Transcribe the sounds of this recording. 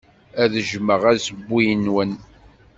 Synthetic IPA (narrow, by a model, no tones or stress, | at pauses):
æðəʒməʁæsəbːijənwən